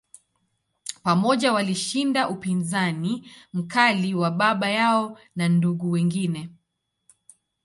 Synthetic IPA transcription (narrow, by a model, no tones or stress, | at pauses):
pamɔʄawaliʃindaʔupinzanim̩kaliwaɓaɓajaɔ | nanduɠuwɛŋɡinɛ